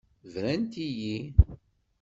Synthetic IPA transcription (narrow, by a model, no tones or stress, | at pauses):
vɾænt̪iji